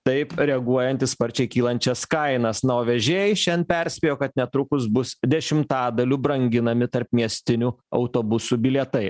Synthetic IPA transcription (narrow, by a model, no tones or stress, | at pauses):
t̪ɐɪpɾʲɛɐɡuɔjɛnʲt̪ʲɪsspɐɾʲt͡ʃʲɛɪkʲiːlˠɐnʲt͡ʃʲɛskɐɪnɐsnɐoːʋʲɛʒʲeːɪʃʲɛnpʲɛɾʲsʲpʲeːjoːkɐt̪nʲɛt̪ɾʊkʊs̬bʊsd̪ʲɛʃʲɪmt̪ɑːd̪ɐlʲuːbɾɐŋʲɡʲɪnɐmʲɪt̪ɐɾpmʲiɛsʲt̪ʲɪnʲuːɐ̰ʊt̪oːbʊsuːbʲɪlʲɛt̪ɐɪ